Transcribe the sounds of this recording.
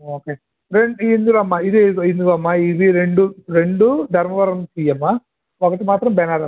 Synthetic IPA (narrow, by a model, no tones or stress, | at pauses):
oːkeː | ɾeɳɖind̪ulɐmːaid̪iɡind̪uɡoɐmːaːiʋiɾe̞ɳɖuɾe̞ɳɖud̪ʱɐɾmɐʋɐɾɐmsiːjɐmːa | okɐʈimaːt̪ɾɐmbɛnaːɾɐ